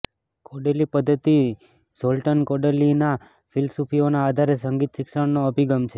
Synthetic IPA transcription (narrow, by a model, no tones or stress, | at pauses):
koɖelipəd̪ʱːət̪i | solʈənkoɖelina | fʰilsupʰionaːd̪ʱaɾesəŋɡit̪ʃɪkʃəɽnoəbʱiɡəmt͡ʃʰe